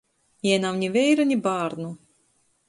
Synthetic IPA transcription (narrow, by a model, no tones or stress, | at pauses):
jɛjnawnʲivʲɛjɾanʲibaːɾnu